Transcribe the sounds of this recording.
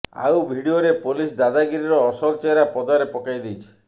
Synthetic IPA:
a̰wbʱiɖioɾepolis̬d̪ad̪aɡiɾiɾɔːsɔlt͡ʃeɾapɔd̪aɾepɔkajd̪ijt͡ʃʰi̥

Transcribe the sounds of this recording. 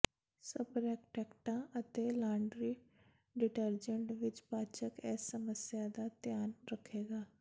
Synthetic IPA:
səpɾɛːkʈɛːkʈãʔət̪eːlãːɳɖɾiː | ɖɪʈəɾd͡ʒə̃ɳʈʋɪt͡ʃpaːt͡ʃəkɛːsːəməsjad̪aːt̪jaːnɾəkʰeːɡaː

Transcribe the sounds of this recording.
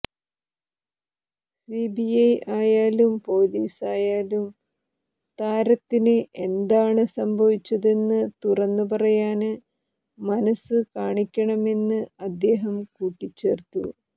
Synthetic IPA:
sibiɐjaːjaːlumpo̞ːliːsaːjaːlum | t̪aːɾɐt̪ːinɨʔe̞nd̪aːɳɨsɐmbʱɐʋit͡ɕːɐðe̞nːɨt̪urɐnːupɐrɐjaːnɨ | mɐnɐsɨkaːɳikʲːɐɳɐme̞nːɨɐd̪ːe̞ːɦɐmkuːʈːit͡ɕːe̞̰ːrt̪ṵ

